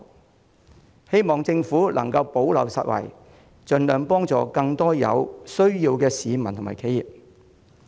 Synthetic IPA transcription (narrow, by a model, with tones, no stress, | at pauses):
he˥jmɔː˨ŋt͡sɪ˧ŋfuː˨˥lʔɐ̰˨˩ŋkɐ˧wpo˨˥wlɐ̰˨˧wsɐ̰˨t̚wɐ̰˨˩j | t͡ʃɵ˧nlœː˨˧ŋpɔː˥ŋt͡sɔ̰ː˨˧kɐ˧ŋt̪ɔː˥jɐ̰˨˧wsɵ˥ɥjiː˧wkɛː˧siː˨˧mɐ˨˩nt̪ʰʊ˨˩ŋmaː˨˩jkʰe˨˥jiː˨p̚